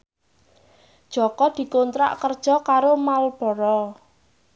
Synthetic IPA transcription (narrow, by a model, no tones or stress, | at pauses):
d̥ʒ̥ɔkɔd̪̥i̤kont̪ɾa̰ʔkərd̥ʒ̥ɔ̤kaɾomalb̥ɔɾɔ